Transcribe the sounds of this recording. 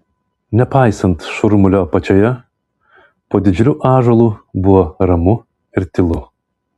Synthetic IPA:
nʲɛpɑˑɪsɐnt̪ʃʊɾmʊlʲoːɐpɐt͡ʃʲoːjɛ | poːd̪ʲɪd͡ʒʲɾʲuːʔɑːʒolˠuːbʊʋoːɾɐmʊ | ɪɾt̪ʲɪlˠʊ

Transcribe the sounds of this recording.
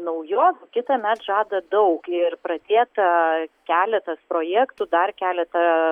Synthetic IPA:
nɐʊjoːskʲɪt̪ɐmʲæt̪ʒɑːd̪ɐd̪ɐʊkɪrpɾɐd̪ʲeːt̪ɐkʲæːlʲɛt̪ɐspɾoːjæːkt̪ʊd̪ɐrkʲæːlʲɛt̪ɐ

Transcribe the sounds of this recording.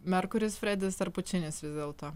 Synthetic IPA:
mʲɛɾkʊɾʲɪsfʲɾʲɛd̪ʲɪst̪ɐɾpʊt͡ʃʲɪnʲɪsʋʲɪzd̪ʲeːlˠt̪oː

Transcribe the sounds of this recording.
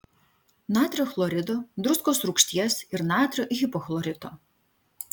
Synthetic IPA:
naːt̪ʲɾʲɔxlˠɔɾʲɪd̪ɔd̪ɾuskɔsɾukʃʲt̪ʲjɛsʲiɾnaːt̪ʲɾʲɔʔixʲipɔxlˠɔɾʲɪd̪ɔ

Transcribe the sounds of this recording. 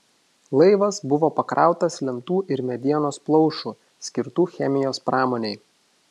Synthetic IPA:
lˠɐɪʋɐsbʊʋoːpɐkɾʔɑ̰ˑʊt̪ɐslʲɛmt̪uːʔɪɾmʲɛd̪ʲiɛnoːsplˠɔʊʃuː | sʲkʲɪɾt̪uːxʲɛmʲɪjoːspɾɑːmoːnʲeɪ

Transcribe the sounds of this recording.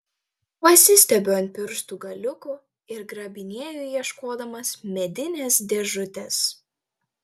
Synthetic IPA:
pɐsʲɪsʲt̪ʲɛbʲoːɐnʲt̪ʲpʲɪɾst̪uːɡɐlʲʊkʊ | ɪɾɡɾɐbʲɪnʲiɛjʊjiɛʃkoːd̪ɐmɐsmʲɛd̪ʲɪnʲeːsd̪ʲɛʒʊt̪ʲɛs

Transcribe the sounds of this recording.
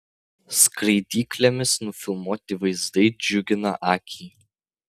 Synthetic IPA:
skɾɐɪd̪ʲiːklʲɛmʲɪsnʊfʲɪlˠmuːt̪ʲɪʋɐɪzd̪ɐɪd͡ʒʲʊɡʲɪnɐ̰ʔɑːkʲʰiː

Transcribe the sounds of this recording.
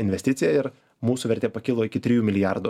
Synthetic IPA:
ɪnʲʋʲɛsʲt̪ʲɪt̪sʲɪjɛɪɾ | muːsʊʋʲɛɾʲt̪ʲeːpɐkʲɪlˠoːɪkʲɪt̪ʲɾʲɪjuːmʲɪlʲɪjaɾd̪u

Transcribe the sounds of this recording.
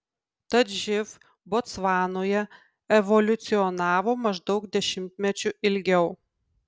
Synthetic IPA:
t̪ɐt̪ʒʲɪf | bɔt̪sʋɑːnoːjɛ | ɛʋɔlʲʊt̪sʲɪɔnɑːʋoːmɐʒd̪ɒʊkd̪ʲɛʃʲɪmʲt̪ʲmʲɛt͡ʃʲʊʔɪlʲɡʲɛʊ

